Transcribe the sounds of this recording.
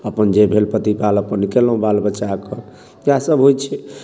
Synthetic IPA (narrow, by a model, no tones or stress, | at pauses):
əpənd͡ʒebʱelpət̪ipaləpənːikeləɦũbalbət͡ʃakə | jasəbɦojt͡ʃʰɛ